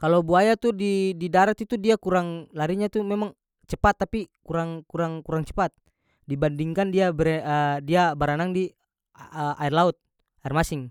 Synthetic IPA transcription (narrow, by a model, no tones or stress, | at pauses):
kalobuajat̪udididaɾat̪it̪udiakuɾaŋlaɾiɲat̪umɛmaŋ | t͡ʃəpat̪ːapikuɾaŋkuɾaŋkuɾaŋt͡ʃə̥pat̪̚ | dibandiŋkandiabɾədiabaɾanaŋdi | ʔairlaut̪̚ | airmasɪŋ